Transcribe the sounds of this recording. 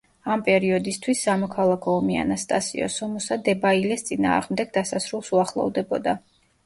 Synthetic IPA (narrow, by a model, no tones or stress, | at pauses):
ampʼɛɾiɔd̪ist̪ʰwisːamɔkʰalˠakʰɔːmia̰nast̪ʼasḭɔ̰sɔmusad̪ɛbailɛst̪sʼina̰ːʁmd̪ɛɡ̚d̪asasɾulˠsuaχlˠɔ̰vd̪ɛbɔd̪a